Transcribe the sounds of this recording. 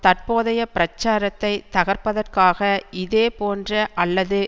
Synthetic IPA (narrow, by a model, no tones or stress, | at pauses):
t̪ɐrpoːðɐjɐpɪɾɐt͡ʃːaːɾɐt̪ːɐɪt̪ɐɣɐrpɐðɐrkaːɣɐʔɪðeːpoːndrɐʔɐlːɐðɯ